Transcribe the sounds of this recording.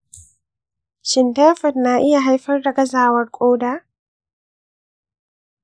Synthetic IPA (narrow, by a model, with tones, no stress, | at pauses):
ʃɪ˨nta˦fɔ˨tnaː˦ʔɪ˦ja˨ɦa˦jɸɐ˦rda˨ɡɐ˦zaː˨wɐ˦rkʷʼoː˦daː˦